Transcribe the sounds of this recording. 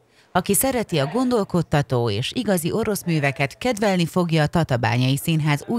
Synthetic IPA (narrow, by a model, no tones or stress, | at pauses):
ɒkisɛɾɛt̪iɒɡo̞nd̪o̞lko̞t̪ːɒt̪oːeːʃiɡɒziʔo̞ɾo̞smyːvɛkɛt̪kɛd̪vɛlnifo̞ɡjɒːt̪ɒt̪ɒba̰ːɲɒjisinɦaːzuː